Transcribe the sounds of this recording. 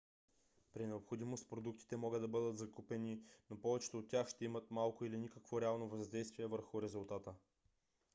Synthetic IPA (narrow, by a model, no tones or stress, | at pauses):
pɾinɛopxod̪imost̪̚pɾod̪uk̚t̪i̥t̪ɛmɔɡəd̪d̪ɐbɤd̪ət̪zɐkupɛninopɔvɛt͡ʃɛ̥t̪oot̪̚ːʲjaxʃt̪ɛimət̪malˠkʊilinikəkvoɾɛalˠnovɐzd̪ɛjst̪viɛvəɾxʊɾɛzulˠt̪at̪ə